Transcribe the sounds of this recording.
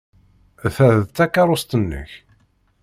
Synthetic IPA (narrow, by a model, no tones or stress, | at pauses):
θæððt̪ːækːɑɾˤost̪ənːə̰ç